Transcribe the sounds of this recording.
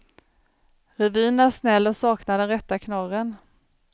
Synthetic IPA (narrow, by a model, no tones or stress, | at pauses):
ɾɛviːnæʂnɛlːɔsɑːknad̪ɛnɾɛt̪ːakʰnɑɾən